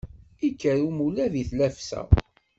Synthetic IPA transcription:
ikːəɾumulæðiθlæfsæ̰

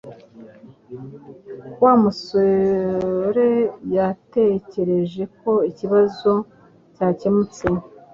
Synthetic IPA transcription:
waːmuso | ɾe̞jate̞ce̞ɾe̞ʒe̞ko̞iciβazo̞ | caːce̞mut͡se̞

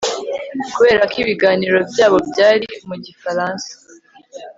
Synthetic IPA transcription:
kuβe̞ːɾakiβiɡaːniɾo̞bjaːβo̞bɟaːɾimuɟifaɾaːnsḁ

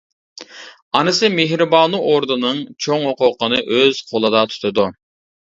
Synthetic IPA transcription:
ɑnɨsɨmeɦɾɪbɑːnuʔoɾd̪unɨŋt͡ʃʰoŋɦoqʊqʰənɨʔøz̥qʰolˠɨd̪ɑt̪ʰu̥t̪ʰɨd̪u

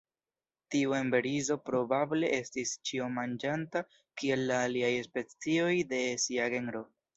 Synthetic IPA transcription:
tiue̞mbe̞ɾizo̞pɾo̞bable̞ʔe̞stist͡ʃiomand͡ʒanta | kie̞lːaːliajespe̞t͡sio̞jde̞siaɡe̞nɾo̞

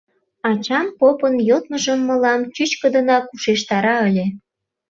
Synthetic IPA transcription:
ɑt͡ɕɑmpopənjot̪̚məʒəmːɤ̆lɑmt͡ɕyt͡ɕkə̆d̪ə̆nɑkuʃeʃt̪ɑɾɑə̆lʲe

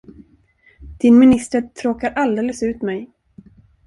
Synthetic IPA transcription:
d̪̥ɪnmɪnɪst̪əʈ̪ʰɾoːkaɾʔald̪eːləsʉ̟ːt̪mɛj

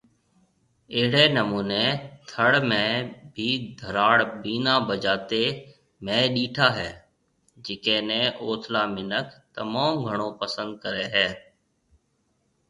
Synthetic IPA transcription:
ɪɦɪɽeːnəmuːneːt̪ʰəɽmẽːbʱiːd̪ʱəɾaːɽbiːnaːbəd͡ʒaːt̪eː | mẽːɗiːʈʰaːɦɛː | d͡ʒɪkẽːnɛ̃ːʔoːt̪ʰlaːmɪnəkt̪əmaːmɡʱəɳ̃õːpəsə̃nd̪̚kəɾeːɦɛː

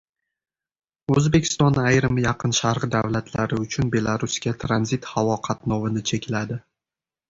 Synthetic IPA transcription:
ɵzbe̞kʲʰɪ̥st̪ɒnːaajɾɪmjɑqʰɨnʃaɾʁɨd̪avlat̪ʰlaɾɪʊt͡ʃʰʊnbe̞lˠaɾʊskʲat̪ʰɾanzit̪havɒqʰat̪nɒvɪnɪt͡ʃʰekʲʰlad̪ɪ

